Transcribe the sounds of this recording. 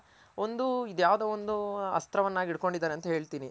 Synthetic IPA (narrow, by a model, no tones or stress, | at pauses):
o̞nd̪uid̪jaːʋd̪eːond̪uɐ̰st̪ɾɐʋɐnːaːɡiɽko̞ɳɖid̪ːaːɾeɐnt̪ɐɦe̞ːɭt̪iːni